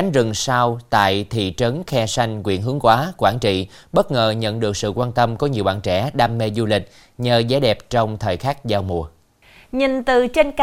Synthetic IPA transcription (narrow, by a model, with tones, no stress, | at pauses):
a˨˦ŋ̟zɨ˨˩ŋsaː˧wt̪a̰ː˧˨jt̪ʰḭ˧˨t͡ɕə˨˦nxɛ˧sa˧jŋ̟kwḭ˧˨ənɦɨ˨˦əŋkwaː˨˦kwaː˧˩nt͡ɕḭ˧˨ɓə˦˥t̚ŋəː˨˩ɲə̰˧˨nɗɨ˨˩ək̚sɨ̰˧˨kwaː˧nt̪ə˧mkɔ˨˦ɲi˨˩əwɓa̰ː˧˨nt͡ɕɛ˧˩ɗaː˧mːe˧zu˧lï˨˩k̟̚ | ɲəː˨˩zaː˨˦jɗɛ˨˩p̚t͡ɕɔ˧wŋ͡mt̪ʰəː˨˩jxaː˦˥k̚zaː˧wmu˨˩ə | ɲi˨˩nt̪ɨ˨˩t͡ɕe˧nk